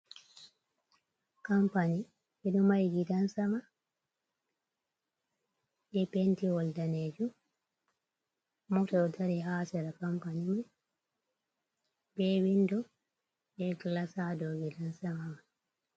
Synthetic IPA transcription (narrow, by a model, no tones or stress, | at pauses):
kampaɲi | ʔɛɗumajɡidansama | ʔɛpentiwɔldaneːd͡ʒu | mɔtɔtʰaɾiɦaːsɛɾakampaɲiman | bɛwindɔ | ɓɛɡlasadɔɡidansamama